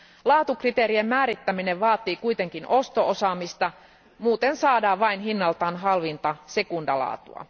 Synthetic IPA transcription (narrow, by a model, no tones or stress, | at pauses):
lɑːt̪ukrit̪eːɾiemmæːɾit̪ːæmineʋʋɑːt̪iːkuit̪eŋkino̞st̪oosɑmist̪ɑ | muːt̪ensɑːdɑːʋʋɑinɦinːɑlt̪ɑːnɦɑlʋint̪ɑse̞kundɑlɑ̰ːt̪ṵɑ̰